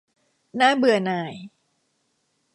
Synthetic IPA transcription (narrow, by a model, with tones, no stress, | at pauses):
naː˥˩bɯ˨˩ɐnaː˧˩j